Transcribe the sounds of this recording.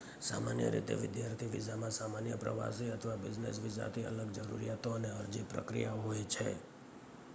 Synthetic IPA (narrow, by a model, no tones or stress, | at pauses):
sa̰manjə̰ɾḭt̪ḛʋɪd̪jaɾt̪ʰiʋid͡ʒamãsamanjəpɾəʋa̰siət̪ʰəʋabɪd͡ʒnḛsʋid͡ʒa̰t̪ʰiə̰ləɡ̚d͡ʒəɾṵɾijat̪oəneəɾd͡ʒipɾə̰kɾḭjaɦojt͡ʃʰḛ